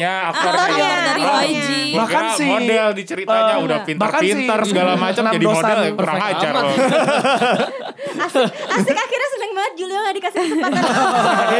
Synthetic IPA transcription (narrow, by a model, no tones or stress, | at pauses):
ɲaakaɾajɔdaɾiad͡ʒibahkansɪodɛldit͡ʃəɾitaɲaudafinbakaninsɪt̪ərsəɡalamat͡ʃəmnad͡ʒadidomosadɛlkəɾaŋat͡ʃa | asasikaxirɲasədaŋmaŋət̪̚d͡ʒulioŋadikasinsəpaa